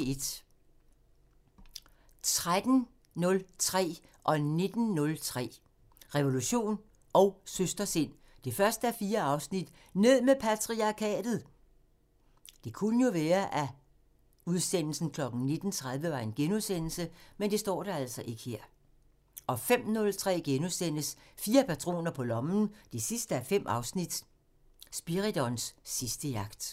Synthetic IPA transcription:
d̥ | t͡sʰʁad̥n̩ | nɔ̽lt͡sʰʁɛ̰ː | ʔɒ̽ne̝d̥n̩nɔ̽lt͡sʰʁɛ̰ː | ʁɛʋo̝luɕo̝̰ːn | ʔɒ̽ʊsøsd̥ɐse̝n̰ | d̥e̝fɶɐsd̥əæɐfiːɐɑ̈ʊsnid̥ | ne̝ð̞̰ˠmepʰæt͡sʰʁiɑ̈kʰɛ̰ːd̥ð̞̩ˠ | d̥e̝kʰunəjo̝ʋɛːɐʔæ | uð̞ˠsen̰l̩sn̩kʰlɒ̽ɡ̥n̩ne̝d̥n̩t͡sʰʁað̞ˠʋəʋɑ̈e̝nɡ̥enuðˠsen̰l̩səmend̥e̝sd̥ɒ̰ːɾ̥ɑæl̰sɒ̽ʔe̝ɡ̥ə̥hḛɐ̰ | ʔɒ̽fem̰nɔ̽lt͡sʰʁɛ̰ːɡ̥enuðˠsen̰əsfiːɐpæt͡sʰʁo̝̰ːnɐpʰɒ̽lɒ̽mn̩d̥e̝sisd̥əæɐfem̰ʔɑ̈ʊsnid̥ | sb̥iʁid̥ɒnsːisd̥əjɑ̈ɡ̥d̥

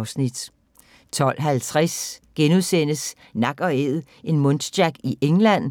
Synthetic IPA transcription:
ʊsnid̥ | t͡sʰɒ̽l̰ɦælt͡sʰʁasɡ̥enuðˠsen̰əs | nɑ̈ɡ̥ɒ̽eð̩ˠ | ʔe̝nmɔ̽ndd̥æɡ̥iʔeŋlæn̰

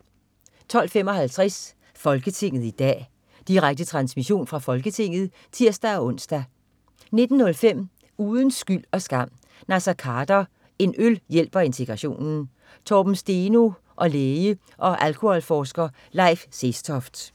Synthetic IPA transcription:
t͡sʰɒ̽l̰femɒ̽hælt͡sʰʁɛs | fɒ̽lɡ̥ət͡sʰe̝ŋ̰ð̩ˠid̥ɛ̰ː | d̥iʁaɡ̥̚d̥ət͡sʰʁɑ̈nsmiɕo̝̰ːnfʁɑ̈fɒ̽lɡ̥ət͡sʰe̝ŋ̰ð̞̩ˠ | t͡sʰiɐ̰sd̥æɒ̽ɔ̽n̰sd̥æ | ne̝d̥n̩ːɔ̽lfem̰ | uːð̞ˠən̩sɡ̥yl̰ɒ̽sɡ̥ɑ̈m̰ | næsɑkʰɑ̈d̥ɐ | e̝nʔøljel̰b̥ɐe̝nt͡sʰe̝ɡ̥ʁɑ̈ɕo̝̰ːnn̩ | t͡sʰɒb̥m̩sd̥e̝no̝ | ʔɒ̽leːjə | ʔɒ̽ʔælkʰohɒ̽lfɒːsɡ̥ɐ | lɑ̈ɪ̰fsesd̥ʰɒfd̥

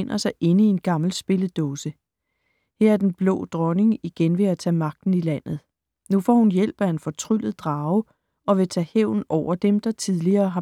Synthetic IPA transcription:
en̰ɐsɑ̈ɪʔe̝nəie̝nɡ̥ɑ̈ml̩sb̥e̝ləd̥ɔːsə | heɐ̰æɐd̥enb̥lɔ̰̽ːd̥ʁɒ̽ne̝ŋiɡ̥enʋe̝æt͡sʰɛ̰ːmɑ̈ɡ̥̚d̥n̩ilæn̰ð̩ˠ | nufɒ̰ːhunjel̰b̥æe̝nfɒ̽t͡sʰʁyl̰ð̩ˠd̥ʁɑ̈ːʊə | ɒ̽ʋe̝t͡sʰɛːheʊ̰n̩ɒʊ̰ɐd̥emd̥ɑ̈t͡sʰið̞ˠliɐːɦɑ̈

